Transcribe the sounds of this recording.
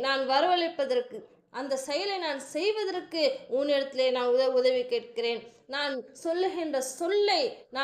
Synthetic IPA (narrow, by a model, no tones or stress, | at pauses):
naːnʋɐɾɯʋɐɭɪpːɐðɐrkɯ | ʔɐnd̪ɐsɛjɐlɐɪnaːnsɛjʋɐðɐrkːɯuːnɪɽɐt̪ːɪleːnaːnʊðɐʊðɐʋikeːʈ̚kɪreːn | naːnsɔlːɯɣɪndrɐsɔlːɐɪnaː